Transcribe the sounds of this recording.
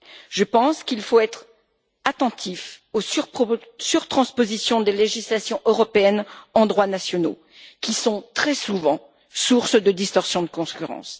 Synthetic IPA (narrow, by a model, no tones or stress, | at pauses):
ʒ̥əpɑ̃skilfoɛt̪χ | at̪ɑ̃t̪ʰifos | syʁt̪χɑ̃spozisjɔ̃d̪eleʒislasjɔ̃ʔøʁɔpeɛnɑ̃d̪ʁwanasjɔno̰ | kʲisɔ̃t̪χɛsuvɑ̃ | suʁsd̪əd̪ist̪ɔʁsjɔ̃d̪əkɔ̃kʲyʁɑ̰̃s